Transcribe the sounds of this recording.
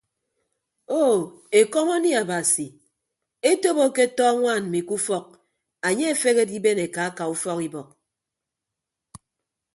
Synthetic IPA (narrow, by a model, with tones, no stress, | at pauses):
o˦˨ | e˨kɔ˦mo˦ni˦a˨ba˨si˨ | e˦to˦bo˦ke˦tɔ˦ŋʷa˦˨n˨mi˨ku˦fɔ˦k̚ | a˨ɲe˦e˨fe˦ɣe˦di˦be˦ne˨ka˨a˦ka˨u˦fɔ˦ki˦bɔ˨k̚